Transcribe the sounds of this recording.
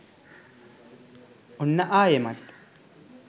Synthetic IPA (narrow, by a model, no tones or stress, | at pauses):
ʔɔnːɐʔaːjɛmɐt̪ʼː